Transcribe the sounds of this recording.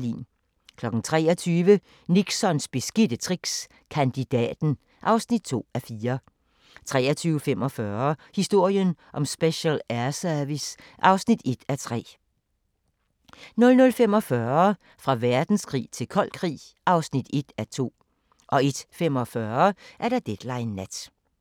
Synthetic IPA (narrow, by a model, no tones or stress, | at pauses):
lḭːn | kʰlɒ̽ɡ̥n̩t͡sʰʁɛ̰ːɒt͡sʰyːʋə | niɡ̥sɒ̽nsb̥e̝sɡ̥id̥ət͡sʰʁiɡ̥s | kʰænd̥id̥ɛ̰ːd̥n̩ | ʔɑ̈ʊsnid̥̚t͡sʰo̝̰ːæfiːɐ | t͡sʰʁɛ̰ːɐt͡sʰyːʊəfem̰ɒ̽fɶːɐhisd̥o̝ɐ̰jənʔɒ̽msb̥eɕɛlæɐsœɐʋis | ʔɑ̈ʊsnid̥e̝d̥æt͡sʰʁɛ̰ː | nɔ̽lnɔ̽lfem̰ɒ̽fɶɐɐ | fʁɑ̈ʋæɐd̥n̩skʰʁḭːt͡sʰe̝lkʰɒ̽l̰kʰʁḭː | ʔɑ̈ʊsnid̥e̝d̥æt͡sʰo̝̰ː | ʔɒ̽e̝d̥fem̰ɒ̽fɶɐʔæɐɾ̥ɑd̥ed̥lɑ̈ɪnːæd̥